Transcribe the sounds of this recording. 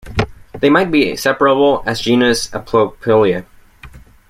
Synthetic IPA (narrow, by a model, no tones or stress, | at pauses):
ðeɪmaɪt̚b̥isɛpə˞əbl̩ˠɨzd͡ʒĩnɨsəpʰl̥oʊpʰɪlˠiɨ